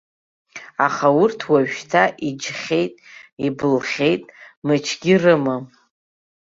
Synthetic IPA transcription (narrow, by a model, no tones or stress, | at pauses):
aχaʊrtʰwaʒᶣtʰaʔid͡ʒχʲejtʼibɨlχʲe̞jtʼmɨt͡ʃʰɡʲirɨma